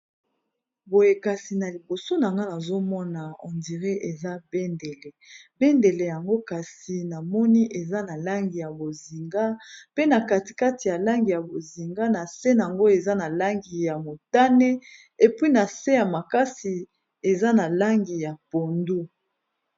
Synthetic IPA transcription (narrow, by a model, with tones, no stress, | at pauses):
bo˨je˨ka˨si˨na˨li˨bo˨so˦na˨ŋɡa˦na˨zo˦mɔ˦na˨ɔ˨ndi˨ʁe˦ʔe˨za˦be˦nde˨le˨be˦nde˨le˨ja˨ŋɡo˦ka˨si˨na˨mɔ˦ni˦ʔe˨za˦na˨la˦ŋɡi˨ja˨bo˨zi˨ŋɡa˦pe˦na˨ka˦ti̥˨ka˦ti˨ja˨la˦ŋɡi˨ja˨bo˨zi˨ŋɡa˦na˨se˦na˨a˨ŋɡo˦e˨za˦na˨la˦ŋɡi˨ja˨mo˨ta˦ne˦ | e˨pwi˦na˨se˦ja˨ma˨ka˦si˨ | e˨za˦na˨la˦ŋɡi˨ja˨po˨ndu˦